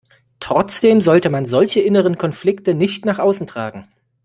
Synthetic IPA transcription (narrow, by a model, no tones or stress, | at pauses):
tʁ̥ɔt͡sd̥eːmzɔltəmanzɔlçəʔɪnəʁ̞ənkʰɔnflɪktənɪçtnaːχʔaʊsn̩tʁ̥a̰ːɡŋ̩